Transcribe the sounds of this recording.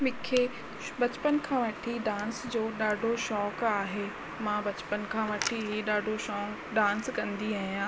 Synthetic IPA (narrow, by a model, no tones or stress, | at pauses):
mɪ̃kʰe | bɐt͡ɕpənkʰãːʋɐʈʰiɖãːnsd͡ʑoːɗaːɖʱoʃɔːkaːɦeː | mãbɐt͡ɕpənkʰãːʋɐʈʰiɦiɗaːɖʱoʃɔːk | ɖãːnskɐ̃nd̪iaːɦijãː